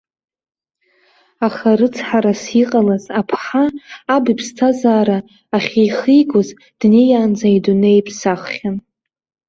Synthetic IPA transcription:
aχarɨt͡sʰħaɾasiqʼalazapʰħaːbipʰstʰazaːɾaː | χʲejχiɡʷʊz | d̥nejaːnd͡zaidunejpʰsaχχʲan

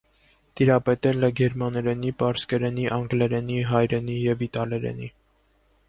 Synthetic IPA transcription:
t̪iɾɑpɛt̪ɛlɛɡɛɾmɑnɛɾɛnipɑɾskɛɾɛniʔɑŋɡlɛɾɛniɦɑjɾɛnijɛvit̪ɑlɛɾɛ̰nḭ

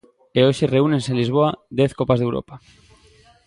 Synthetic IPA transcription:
eoʃereune̞nsenlizβ̞oad̪eθkopazðewɾo̰pa

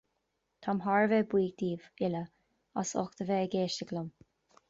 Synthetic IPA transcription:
t̪ʰamɦaɹvɛbwiːɡ̚d̪iːvɪlə | a̰sɔ̰xt̪əvɛəɡeːʃtəɡlʊm

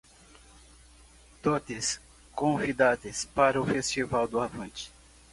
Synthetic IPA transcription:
t̪ot̪ɪs | kõvid̪ad̪espaɾɐʊfest͡ʃivawd̪ʊavɐ̃t͡ʃɪ̥

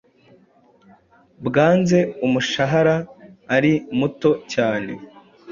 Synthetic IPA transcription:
bɡaːnze̞umuʃaɦaɾaːɾimuto̞caːne̞̰

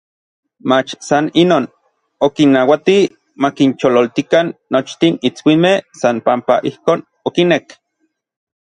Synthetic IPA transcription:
mat͡ʃsaninoːn | okinːawat̪i | makint͡ʃololt̪ikanːot͡ʃt̪init͡swimehsanpampaʔihkoːn | okinek

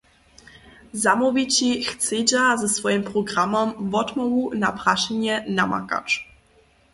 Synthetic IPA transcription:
zamuvʲit͡ɕixt̪sed͡ʑazɛsfɔjimpɾɔɡɾamɔmvɔd̪mɔɣunapɾaɕɛɲɛnama̰ka̰t͡ʂ

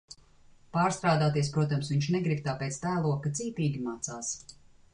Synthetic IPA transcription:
paːɾst̪ɾaːd̪aːt̪iɛspɾuɔt̪̬amsviɲʃnɛɡɾib̚t̪aːpeːt̪st̪æːlˠuɔkat̪siːt̪iːɡʲimaːt̪saːs

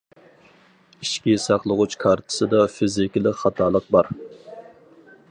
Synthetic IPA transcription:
iʃkʲisɑqlˠəʁut͡ʃkʰɑɾt̪ʰɨ̥sɨd̪ɑfɪzɪkʲlˠɪkʲχɑt̪ʰɑːlˠəq̚bɑɾ

